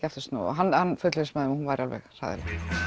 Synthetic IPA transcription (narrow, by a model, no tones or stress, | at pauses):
cɛft̪ʏst̪nɔ̰ɔ̰ɦanːhanːfʏt̪lɪsmaðɪmɔhunvajɾalvɛ̰ɣr̥a̰ðɪ̰lɛ̰x